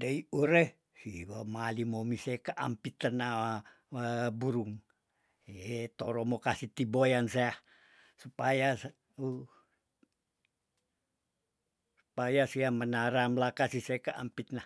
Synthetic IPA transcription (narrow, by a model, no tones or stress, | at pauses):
daiuɾeh | siwamalimomisekaʔa̰mpit̪əna | buɾuŋ | t̪oɾɔmokasit̪ibojanseah | supajas | u | su̥pajasiamənaɾamlakasisekaʔa̰mpit̪̚na